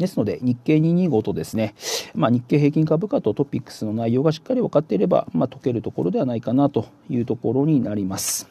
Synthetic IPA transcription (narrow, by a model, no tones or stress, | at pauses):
d̪e̞sɨno̞d̪e̞̰ɲ̟ikːe̞ːɲ̟iɲ̟iɡo̞t̪o̞d̪e̞sɨne̞maɲ̟ikːe̞ːɦe̞ːkʲĩŋkabɯ̟kat̪o̞t̪o̞pʲikːɯ̥sɨno̞naijo̞ːɡaɕi̥kːaɾʲiβakat̪ːe̞iɾe̞ba̰mat̪o̞ke̞ɾɯ̟t̪o̞ko̞ɾo̞d̪e̞βanaikanat̪o̞ | jɯ̟ːt̪o̞ko̞ɾo̞ɲ̟inaɾʲimasɨ̥